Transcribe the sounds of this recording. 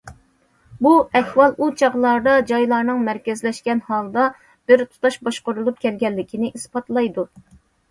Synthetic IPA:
buɛkʲwɑlˠut͡ʃʰɑʁlˠɑɾd̪ɑd͡ʒɑjlˠɑɾnɨŋmɛɾkʲɛzlɛʃkʲɛnhɑlˠd̪ɑ | b̥ɪɾt̪ʰu̥t̪ʰɑʃbɑʃqoɾulˠup̚kʲɛlɡʲɛlːɪkʲʰinɪʔispɑt̪ʰlˠɑjd̪u

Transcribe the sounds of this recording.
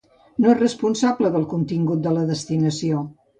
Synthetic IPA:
noesrəspunsabləðəlˠkunt̪iŋɡut̪̚d̪ələðəst̪inəsio

